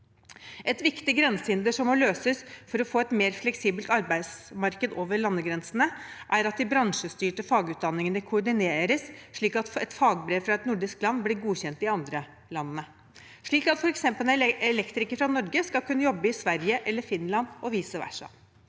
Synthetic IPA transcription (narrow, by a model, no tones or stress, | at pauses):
ɛt̪ʋɪkt̪ɪɡɾɛnsəɪnd̪əʂɔmːɔløːsəsfɔɾɔfoːɛt̪meːɾflɛksiːbəlt̪ɑɾbæɪd̪smɑɾkəd̪oːʋəɾɭɑnːəɡɾɛnsənəʔæɾɑt̪̚d̪ɪbɾɑŋʂəst̪yːʈəfɑːɡʉːt̪̚d̪ɑnːɪŋənəkʰʊɔɖɪneːɾəsʂɭiːkɑt̪ɛt̪fɑːɡbɾeːʋfɾɑɛt̪nʊɖɪsk̚lɑnːblɪːɾɡuːɕɛnt̪ɪɑnd̪ɾə | lɑnnə | ʂɭiːkɑt̪fɔɾɛksɛmpəlnəɛɛlɛkt̪ɾɪkəfɾɑnɔɾɡəskɑlkʉnːəjɔbːəɪsʋæɾjəʔɛlːəɾfɪnlɑnɔʋiːsəʋæ̰ʂɑ̰